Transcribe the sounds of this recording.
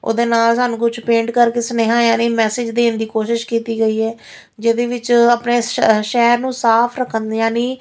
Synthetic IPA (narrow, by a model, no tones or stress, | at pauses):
o̰ːd̪eːnaːlsaːnũːkʊt͡ʃʰpẽːɳʈkəɾkeːsəneːɦãːjaːniːmɛːsɪd͡ʒd̪eːnd̪iːkoːʃɪʃkiːt̪iːɡəiːɛː | d͡ʒɪd̪eːʋɪt͡ʃəpneːʃɛːɾnũːsaːpʰɾəkʰːənjaːniː